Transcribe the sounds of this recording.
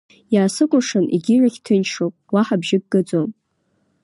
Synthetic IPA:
jaːsɨkʷʼʊʂɨnḭɡʲiraχʲtʰɨnʂopʼwaħabʒɪɡ̚ɡɨd͡zom

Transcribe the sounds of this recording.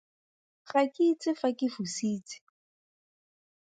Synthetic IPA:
fakʼit͡sɪfakʼɪfusiːt͡sɪ̥

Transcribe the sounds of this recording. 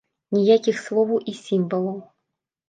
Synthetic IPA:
nʲijakʲixslˠɔvʔisʲimvəlˠɔw

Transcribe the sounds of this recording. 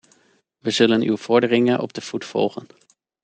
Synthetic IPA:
ʋəzɵlənywv̥ɔɹdərɪŋənʔɔ̰b̚dəv̥utfɔ̰lˠχən

